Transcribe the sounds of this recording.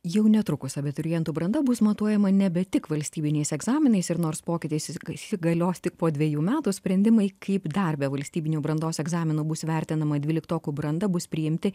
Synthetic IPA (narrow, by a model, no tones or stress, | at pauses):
jɛʊnʲɛt̪ɾʊkʊsʲɐbʲɛt̪ʊɾʲɪjɛnt̪uːbɾɐnd̪ɐbʊsmɐt̪uɔjɛmɐnʲɛbʲɛt̪ʲɪkʋɐlʲsʲt̪ʲiːbʲɪnʲɛɪsɛɡzɑːmʲɪnɐɪsɪɾnoːɾspoːkʲɪt̪ʲɪssɪɡɐlʲoːst̪ʲɪk̚poːdʲʋʲejuːmʲæːt̪uːsʲpʲɾʲɛnʲd̪ʲɪmɐɪkʰɐɪpd̪ɐɾʲbʲɛʋɐlʲsʲt̪ʲiːbʲɪnʲoːbɾɐnd̪oːsɛɡzɑːmʲɪnuːbʊsʋʲɛɾʲt̪ʲɪnɐmɐd̪ʲʋʲiːlʲɪkt̪oːkuːbɾɐnd̪ɐbʊspʲɾʲɪjɪmʲt̪ʲɪ